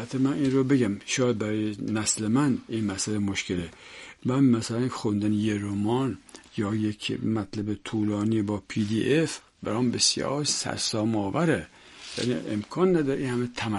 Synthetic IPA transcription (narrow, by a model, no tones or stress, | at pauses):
æt̪ʰemæninɾobeɡæmʃɒːjæd̪̚bæɾɒːjjenæslemæninmæsælemoʃkʰelebæmæsælænxond̪ænjeɾomɒnjɒːjekʰmæt̪ʰlæbet̪ʰuːlɒːniːbɒːpʰid̪iːʔef | bæɾɒːmbesjɒ̰ːɾsæ̰ɾsɒːmɒːvæɾe | jæ̰niḛmkʰɒːnːæd̪ɔɾeʔiːnhæmet̪ʰæm